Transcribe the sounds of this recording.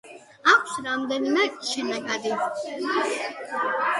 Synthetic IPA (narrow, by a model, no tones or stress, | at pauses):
akʰsɾamd̪ɛnimɛkʼʃinakʼad̪i